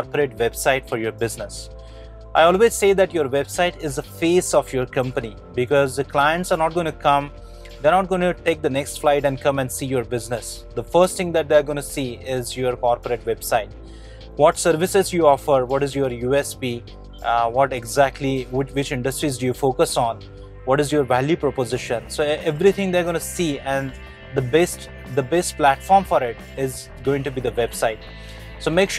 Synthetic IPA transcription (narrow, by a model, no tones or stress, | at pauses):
kɔɾpəɾeːʈʋɛbsaɪʈfɔɾjoɾbɪznəs | ʔaɪɔːlʋeːzseːd̪æʈjoɾʋebsaɪʈɪzəfeːsɔfjoːɾkʌ̃mpəni | bɪkɔzd̪əklaɪə̃ɳʈsaːɾnɔːʈ̚ɡõɪ̃ñukʰʌ̃m | d̪eːɾnɔːʈ̚ɡõɪ̃nʈeːk̚d̪ənɛksʈflaɪʈɛ̃ɳɖkʌ̃mɛ̃ɳɖsiːjoːɾbɪznɪs | d̪əfəɾsʈt̪ʰɪ̃ŋd̪æʈ̚d̪eaɾɡõɪ̃nusiːɪzjoɾkɔɾpəɾeʈʋɛbsaɪʈ | ʋɔʈsəɾʋɪsɪzjuɔfəɾʋɔʈɪzjoɾjuːɛspiː | ʋɔʈeɡzæk̚ʈliɪʋɪt͡ʃɪ̃ɳɖəsʈɾizɖujufoːkəsɔ̃ːn | ʋɔʈɪzjoːɾʋæljupɾɔpozɪʃə̃nsoːeʋɾit̪ʰɪ̃ŋd̪eːɾɡõñusiːɛ̃ɳɖ | d̪əbɛsʈ | d̪əbɛsʈ̚plæʈfɔːɾmfɔɾɪʈ | ɪz | ɡoːɪ̃ŋʈubiːd̪əʋɛbsaɪʈ | soːmeːkʃ